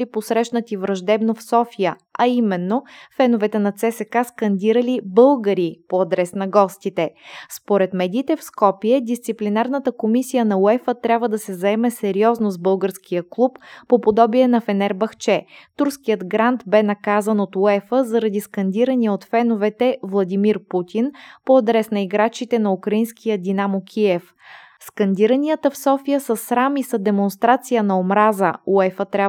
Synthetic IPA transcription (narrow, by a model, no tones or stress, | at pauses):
liposɾɛʃnət̪ivɾɐʒd̪ɛbnofsɔfijə | ɐimɛnːofɛnovɛt̪ɛnɐt̪sɛsɛkaskɐnd̪iɾəlibɤlˠɡəɾipoɐd̪ɾɛsnɐɡɔst̪it̪ɛspoɾɛt̪mɛd̪ʲiːt̪ɛfskɔpiɛd̪ist̪siplʲinaɾnət̪əkomisijənɐoɛfət̪ɾʲabvəd̪ɐsɛzɐɛmɛsɛɾiɔznozbɤlˠɡəɾskʰijəklˠupːopod̪ɔbiɛnɐfɛnɛɾbɐxt͡ʃɛt̪uɾskijəd̪ɡɾant̪bɛnɐkazənot̪uɛfəzɐɾɐd̪iskɐnd̪iɾəniəot̪fɛnovɛt̪ɛvlˠɐd̪imiɾput̪ʰinpoɐd̪ɾɛsnɐiɡɾat͡ʃit̪ɛnɐukɾɐinskʰijəd̪inamokʲʰiɛf | skɐnd̪iɾənijət̪əfsɔfijəsəsɾamisɐd̪ɛmonst̪ɾat̪sijənɐomɾazəuɛfət̪ɾʲa